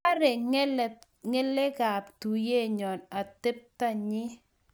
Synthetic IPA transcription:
a˦ɾe˨˦˨ | ŋe˦le˦ɡa˨ptu˨je˦˨ɲɔ˨na˨tɪ˦p̚ta˦ɲɪ˦

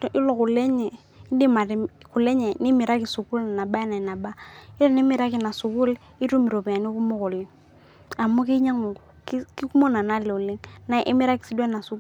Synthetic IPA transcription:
ʔi˦lɔ˨ku˨lɛ˦ɲɛ˨˦ | di˦ma˨ɾku˨le˦ɲɛ˨nɪ˦mi˨ɾa˦ki˨su˨ku˦lna˨ba˦na˨na˨ba˦ɪ˦lɔ˦ni˦mɪ˨ɾa˦ki˨na˨su˨ku˦l | i˦tu˦mi˨ɾo˨pi˨a˨ni˦ku˦mɔ˦kɔ˨li˦ŋ | a˨mo˦ki˦ɲa˦ŋu˨˦ | ki˦ku˦mo˦na˨na˦lɛ˨u˨le˦ŋna˨˦ʔḭ˦mi˦ɾa˦ki˨si˦dɛ˦na˨su˨˦k

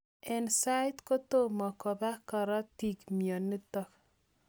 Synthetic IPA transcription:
ɛ˨nsa˦ɪt̪ko˦t̪o˦mɔ˨kɔ˨ba˦kɔ˨ɾɔ˦t̪i˨ɡmiɔ˨nːi˦t̪ɔ˦k

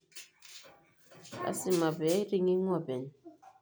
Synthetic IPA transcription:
a̰˨si˦ma˨bɛ˨˦ɾi˦ŋi˦ŋwɔ˦˨bɛ˨n˨

